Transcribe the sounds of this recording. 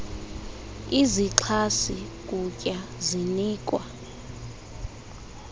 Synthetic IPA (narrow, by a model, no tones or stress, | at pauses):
iziǁʰasikʼucʼjaziniːkʼwa